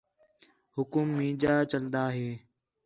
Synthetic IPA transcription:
hʊkʊmːiːd͡ʒaːt͡ʃəld̪aːɦeː

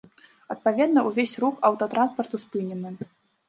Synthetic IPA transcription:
ɐt̪̚pavʲɛd̪nɐʔuvʲesʲrukɐwt̪ɔt̪ɾanspɐrt̪uspɨnʲɛnɨ

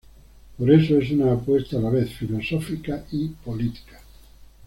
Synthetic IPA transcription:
poɾesoesunaːpwest̪aːlaβeθfilosofikaipolit̪i̥kḁ

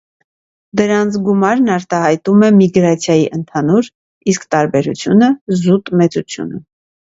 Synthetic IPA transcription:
d̪əɾɑnt͡sʰɡumɑɾnɑɾt̪ɑhɑjt̪umɛmiɡɾɑt͡sʰjɑjiʔənt̪ʰɑnuɾ | iskt̪ɑɾbɛɾṵt͡sʰjunəzut̪mɛt͡sut͡sʰjṵnə̰

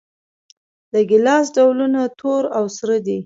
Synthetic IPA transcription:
d̪əɡɪlɑs̬ɖawlunat̪ʰoɾawsɾəd̪i

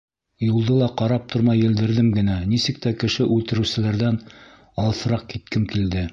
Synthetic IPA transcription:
julˠd̪ɤlˠɑqɑɾɑp̚t̪ʰoɾmɑjɘ̆ld̪ɘ̆ɾðɘmɡɘ̆nænisɘ̆k̚t̪ækɘ̆ʃɘʔʉlt̪ɘ̆ɾɘwsɘ̆læɾðæn | ɑlˠθɤ̆ɾɑq̚kit̪kɘmkild̪ɘ

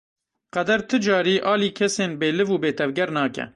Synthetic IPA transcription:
qɛd̪ɛɾt̪ʰɨd͡ʒɑːɾiːʔɑːliːkʲʰɛseːnbeːlɨvuːbeːt̪ʰɛvɡɛɾnɑːkɛ̰

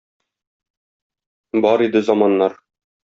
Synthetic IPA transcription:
bɒɾid̪ɘzɑmɑnːɑɾ

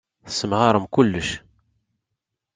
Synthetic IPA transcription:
θə̥sːənʁɑɾˤəmkʊlːəʃ

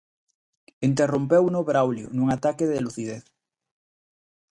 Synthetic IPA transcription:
int̪erompewnoβɾawljo̰nũŋat̪akeðeloθiðeθ

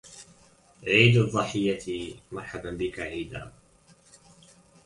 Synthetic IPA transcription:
ʕiːd̪aðˤːɨħɪjːat̪ʰimɑɾˤħad̪anbɪkaʕiːd̪a̰

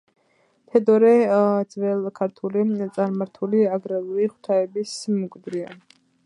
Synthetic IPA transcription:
t̪ʰɛd̪ɔɾɛd̪z̥vɛlˠkʰaɾt̪ʰulit̪sʼaɾmaɾt̪ʰuliaɡɾalˠuɾiχw̥t̪ʰaɛbismɔkʼd̪ɾia̰n

